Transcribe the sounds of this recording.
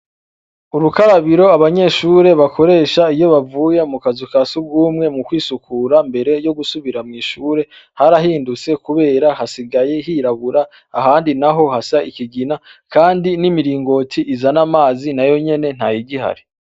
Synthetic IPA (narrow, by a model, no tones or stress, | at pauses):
uɾukaɾaβiɾo̞aβaɲe̞ʃuːɾe̞βakʰo̞ɾe̞ːʃaijo̞βavuːje̞mukazukasubɡuːmŋe̞mukwiːsukuːɾambe̞ɾe̞jo̞ɡusuβiɾamŋiːʃuːɾe̞haɾaɦiːndut͡se̞kuβe̞ːɾahasiɡaje̞ɦiːɾaβuɾaː | ɦaːndinaɦo̞hasaʔikiɡinakaːndinimiɾiːŋɡo̞tʰiʔizanamaːzinajo̞ɲe̞ne̞n̥hajiɡiha̰ɾi